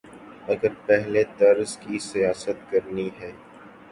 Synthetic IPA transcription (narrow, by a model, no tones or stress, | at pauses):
ɐɡəɾpɛɦlet̪ɐɾzkisijaːsət̪kɐɾniɦɛː